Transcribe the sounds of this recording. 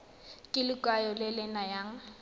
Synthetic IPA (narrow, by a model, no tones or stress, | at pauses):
kʼɪlɪkʼajɔlɪlɪnajaːŋ̩